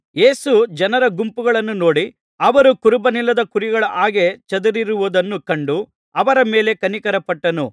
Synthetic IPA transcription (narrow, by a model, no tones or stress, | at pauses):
je̞ːsud͡ʒɐnɐɾɐɡumpuɡɐɭɐnːuno̞ːɽi | ɐʋɐɾukuɾubɐnilːɐd̪ɐkuɾiɡɐɭɐʔaːɡe̞t͡ʃɐd̪uɾiɾuʋud̪ɐnːukɐɳɖu | ɐʋɐɾɐme̞ːle̞kɐnikɐɾɐpɐʈːɐnu